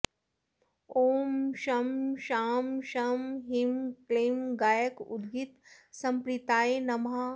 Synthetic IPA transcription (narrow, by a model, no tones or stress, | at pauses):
oːmʃɐmʃaːmʃɐmɦimkleːmɡaːjəkʊ̰d̪ɡit̪sɐ̃mpɾɪt̪aːenɐmɦa